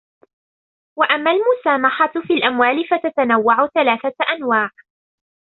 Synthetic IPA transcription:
waʔamːaːlmʊsaːmaħafiːlʔamwaːlɪfat̪at̪anawːaʕʊθalaːθaʔanwaːʕ

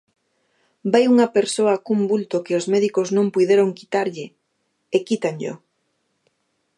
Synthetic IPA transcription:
bajuŋɐpeɾsoɐkumbult̪okeozmɛðikoznõmpuðeɾoŋkit̪aɾʎɪ | ekit̪aŋʎo̰

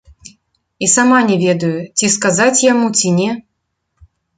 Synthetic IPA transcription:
isamanʲɛvʲɛd̪ɐjut͡sʲiskazat͡sʲjamut͡sʲinʲɛ

